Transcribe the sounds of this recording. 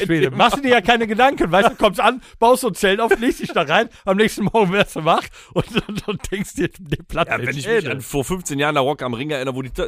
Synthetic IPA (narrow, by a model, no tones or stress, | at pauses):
eːmaχsd̥uːdiɐjaːkʰaɪnəɡədaŋkən̩vaɪstd̥uːkʰɔmstʔanb̥aʊstʊnt͡sɛlnaʊfliːstd̥ɪçd̥aʁaɪnamnɛːçstn̩mɔɐɡŋ̩vɛɐsd̥umaχ | ʔʊntdad̥ɛŋkstd̥iːdeːpʰl̥aevɛnɪçɛdanfoːɐfʏnft͡seːnjaːʁəndaʁɔkamʁɪŋɛɐʔɪnəʁəvoːdiː